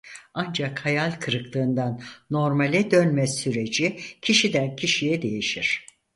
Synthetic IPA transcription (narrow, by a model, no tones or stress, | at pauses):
and͡ʒakhajalʲkʰɯɾɯklˠɯːnd̪anːo̞ɾmalʲɛd̪ønmɛssyɾe̞d͡ʒicʰiʃid̪æncʰiʃijɛd̪e̞jiʃiɾ̥